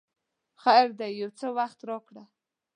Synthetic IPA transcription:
xajɾd̪ajːawt͡səwaxt̪ɾɑkɽa

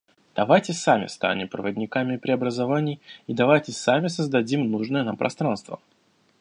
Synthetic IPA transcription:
d̪̥ɐvajtʲɪsamʲɪ̰st̪a̰nʲɪpɾə̰vədʲnʲɪkamʲɪpɾʲɪɐbɾəzɐvanʲɪjid̪ɐvajtʲɪsamʲɪsəzd̪ɐdʲimnuʐnəjənampɾʔɐ̰st̪ɾanst̪və̰

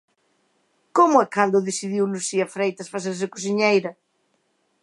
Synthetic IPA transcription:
komʊɛkand̪ʊðesiðiwlusiɐfɾejt̪ɐsfaθeɾs̬ɪkos̬iɲejɾɐ

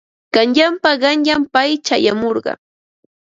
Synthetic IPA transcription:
kanʎampaɢɑnʎampajt͡ʃajamoɾɢɑ̰

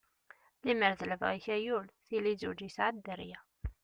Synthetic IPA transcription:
liməɾðələvʁiçæjulθilizud͡ʒisʕad̪əɾjæ

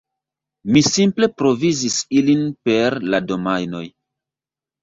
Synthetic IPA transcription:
misimple̞pɾo̞vizisilinpe̞ɾlado̞majno̞j

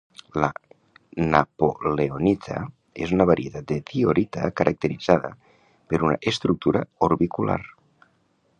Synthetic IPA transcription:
la̰ | napoleonit̪ʰa̰ | ezunaβ̞aɾiet̪at̪̚d̪et̪ioɾit̪a̰kaɾʔak̚t̪eɾid͡zaðə̰ | peɾuna̰ʔest̪ɾuk̚t̪uɾaoɾβikula̰ɾ

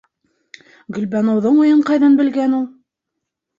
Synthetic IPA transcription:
ɡɵ̆lbænŏwðɤɴujɤɴqɑjðɤnbɘ̆lɡænulˠ

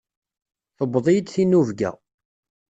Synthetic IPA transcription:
θəbːðˤijəd̪θinuvɡæ̰

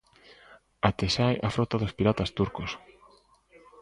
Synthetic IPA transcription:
at̪esajʔafɾot̪aðospiɾat̪ast̪uɾkos

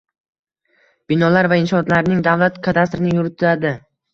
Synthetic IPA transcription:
b̥ɪnɒlaɾvaɪnʃɒt̪laɾnɪŋd̪avlat̪kʰat̪ʰast̪ɾɪnɪjʊɾɪt̪ʰɪad̪ɪ

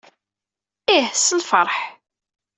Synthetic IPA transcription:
ihsəlfəɾˤħ

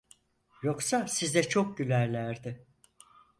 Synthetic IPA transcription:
joksasizd̪ɛt͡ʃʰo̞k̚ɟylʲæɾlʲæɾd̪ɪ

